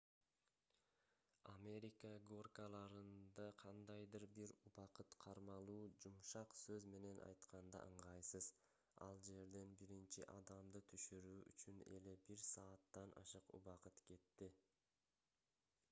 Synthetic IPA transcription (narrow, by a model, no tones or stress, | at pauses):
amʲe̞ɾʲikəɡo̞rkəlˠɑɾɯnd̪ɑqʰɑnd̪ɑjd̪ɯɾbiɾuβɑqɯt̪qʰɑɾmɑlˠuːd͡ʒumʃɑqsøzme̞ne̞nʔɑ̰jt̪qɑnd̪ɑ̰ʔɯɴʁɑjsɯz | ɑ̰lˠd͡ʒe̞ɾd̪e̞nbiɾint͡ʃḭʔɑd̪ɑmd̪ɯt̪ʰyʃyɾyːʔy̰t͡ʃyne̞̰le̞biɾsɑːt̪ːɑnʔɑ̰ʃɯqṵβɑqɯt̪ke̞t̪ːi